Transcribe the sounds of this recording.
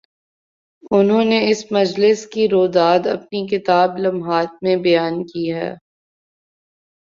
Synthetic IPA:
ʊnɦõneɪsmɐd͡ʒlɪskiɾoːd̪aːd̪ɐp̚nikɪt̪aːblɐmɦaːt̪̚mẽbɐjaːnkiɦɛ̰ː

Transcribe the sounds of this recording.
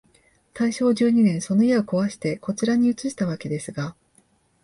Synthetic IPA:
t̪aiɕo̞ːʑɨːɲ̟inẽ̞ɰ̃so̞no̞iaoko̞βaɕi̥t̪e̞ko̞t͡ɕiɾaɲ̟iɯ̟t͡sɨɕi̥t̪aβ̞ake̞d̪e̞sɨɡa

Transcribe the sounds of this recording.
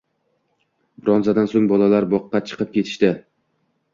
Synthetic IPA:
bɾɒnzad̪ansoŋbɒlˠalaɾbɒqːɑt͡ʃʰɨ̥qʰɨp̚kʲe̞t̪ʰɪ̥ʃt̪ɪ

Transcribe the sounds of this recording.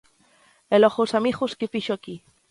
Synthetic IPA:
eloxusamixuskefiʃoaki

